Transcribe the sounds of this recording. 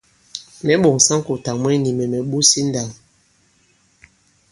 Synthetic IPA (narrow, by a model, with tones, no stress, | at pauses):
mɛ˨˦ɓo˨ŋ˨sa˦ŋ˦ko˨ta˨mwɛ˦ni˨mɛ˨mɛ˨ɓu˦si˦n̩˦da˨ŋ